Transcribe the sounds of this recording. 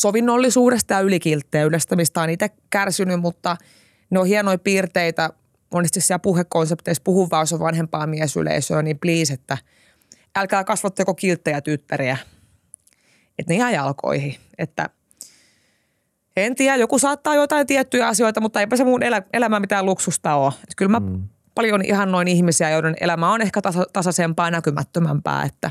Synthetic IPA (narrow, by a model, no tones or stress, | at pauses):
soʋinːolːisuːɾest̪ɑjɑylikilt̪ːeːylest̪æmist̪ɑːniːt̪ækærsinymmut̪ːɑ | neohienoipiːrt̪eit̪æ | mʔonːest̪issiæpuhekkonsept̪espuhuʋːɑːoseʋʋɑnhempɑːmiɛsy̰lḛisøːnimpliːset̪ːæ | ælkæːkɑsʋɑt̪ːɑkokilt̪ːeæt̪yt̪ːæriæ | et̪neæjɑlko̰ihi | et̪ːæ̰ | ent̪iæjokusɑːt̪ːɑːjoit̪ɑint̪iæt̪ːyjæɑsioit̪ɑmut̪ːɑeipæsemunelæelæmæmit̪æːluksust̪ɑoːet̪kylmæ | pɑljonḭhɑnnoinihmisiæjonenʔḛlæmæonehkæt̪ɑsɑt̪ɑsɑsempɑːnækymæ̰t̪ːømæ̰mpæ̰ːḛt̪ːæ